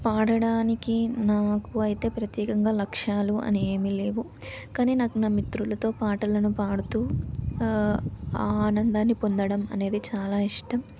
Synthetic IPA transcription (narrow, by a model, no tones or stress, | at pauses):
paːɽɐɽaːnikinaːkuɐjit̪e̞ːpɾɐt̪jɛːkɐŋɡaːlɐkʂaːluʔɐ̰nieːmile̞ːʋu | kaːniːnaknɐmit̪ɾulɐt̪o̞ːpaːʈɐlɐnupaːɽut̪uː | aːnɐnd̪aːnːipo̞nd̪ɐɽɐmɐ̰ne̞ːd̪it͡ʃaːlaːiʂʈɐm